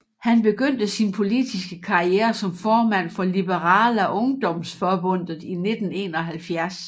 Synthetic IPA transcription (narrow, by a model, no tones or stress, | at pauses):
hænb̥e̝ɡ̥øn̰d̥əsinpʰo̝lid̥isɡ̥əkʰɑ̈ieːɐsɒ̽mfɒːmæn̰fɒ̽lib̥əʁɑ̈ːlæʔɔ̽ŋd̥ɒ̽msfɒb̥ɔ̽n̰ð̩ˠine̝d̥n̩e̝ːnɒɦælfjæɐs